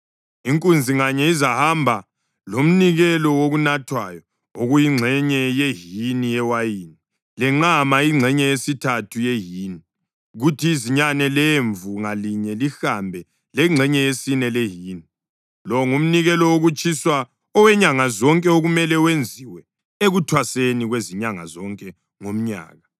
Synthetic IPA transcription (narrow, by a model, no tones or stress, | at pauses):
iŋkʼund͡zʱiŋaɲɛizahambʱa | lom̩niɣɛlɔwoɣunatʰwa̰jɔ | oɣujiŋ͡ǁʱɛɲɛjeɦinijɛwajiːni | lɛŋ͡ǁamaiŋ͡ǀʱɛɲɛesitʰatʰujeɦiːni | ɣutʰiːziɲanɛleɱvuŋaliɲɛlixambʱɛ | lɛŋ͡ǁʱɛɲɛesinɛleɦini | lɔŋum̩niɣɛlɔwoɣut͡ʃʼiswa | ɔwɛɲaŋazɔŋkʼɛoɣumɛlɛwend͡zʱiwɛ | eɣutʰwaseniɣweziɲaŋa̰zɔŋkʼɛ | ŋom̩ɲa̰ːɣa